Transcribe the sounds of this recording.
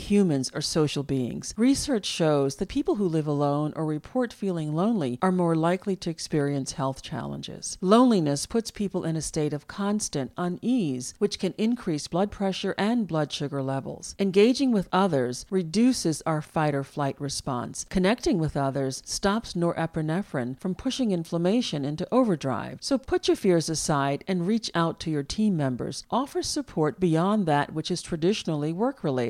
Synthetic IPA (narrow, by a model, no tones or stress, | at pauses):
hjʉmɨ̃nzə˞soʊʃl̩ˠbiɪ̰̃ŋz̥ɹisɜ˞t͡ʃʃoʊzðɨt̚pʰipl̩ˠɦulɪvəlõʊ̃nʔə̰˞ɹɨpʰɔɹtfilˠɪ̃ŋlõʊ̃nliʔə˞mɔɹlaɪkliɾɨɨkspɪɹiɨ̃nshɛlˠθt͡ʃʰæ̰lˠə̰̃nd͡ʒɪ̰z̥lõʊ̃nlinɨspʰʊtspʰipl̩ˠɪ̃nɨsteɪɾʌv̥kʰɑ̃nstɨ̃ntə̃niz̥wɨt͡ʃkʰɨ̃nɪ̃nkʰɹ̥isb̥lʌd̚pʰɹ̥ɛʃə˞ʔɨ̃nblʌdʃʊɡə˞lɛvl̩ˠz̥ɨ̃nɡeɪd͡ʒɪ̃ŋwɨðʌðə˞zɹɨdʉsɨzaʊə˞faɪɾə˞flaɪʔ̚ɹɨspɑ̰̃nskʰɨnɛk̚tɪ̃ŋwɨðʌðə˞z̥stɑpsnɔɹʔɛpɨnɛfɹɨ̰̃nfɹʌ̃mpʰʊʃɪ̃ŋɪ̃ɱfləmeɪʃɨ̃nɪ̃ntuʔoʊvə˞dɹa̰ɪv̥soʊpʰʊt͡ʃə˞fɪɹzɨsaɪɾɨ̃nɹit͡ʃaʊtʰɨjə˞tʰĩmːɛ̃mbə̰˞z̥ʔɔfə˞z̥sɨpʰɔɹt̚b̥iɑ̃nðɨt̚wɨt͡ʃɨz̥tʰɹ̥ɨdɪʃn̩l̩ˠiwɜ˞kʰɹɨleɪ